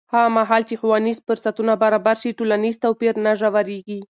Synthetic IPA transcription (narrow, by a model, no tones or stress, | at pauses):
haɣamaɦɑlt͡ʃexuwɑnizfʊɾsat̪unabaɾɑbaɾʃiʈolanizt̪awpiɾnaʐawaɾeɡi